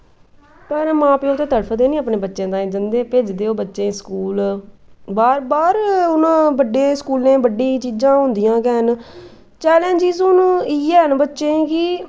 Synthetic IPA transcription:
pəɾmãːpeoːt̪eːt̪əɽpʰd̪eːnĩːəpɳeːbətːʃẽːd̪ãːĩd͡ʒənd̪eːpeːd͡ʒd̪eːoːbətːʃẽːskuːl | baːɾbaːɾʊnãːbəɖeːskuːlnẽːbəɖːiːt͡ʃiːd͡ʒãːɦʊ̃nd̪ijãːkɛːn | t͡ʃɛːlẽːnd͡ʒɪːzʊniːɛːənbətːʃẽːkɪ

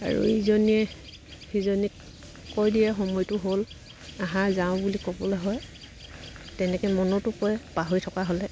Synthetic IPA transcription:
a̰ɹṵizɔniɛ | xizɔni | kojdiɛxɔmɔjtʊɦol | aɦãzaʊ̃bulikɔbɔlɛɦɔj | tɛnɛkɛmɔnɔtʊpɔjɛpaɦojtʰɔkaɦolɛ

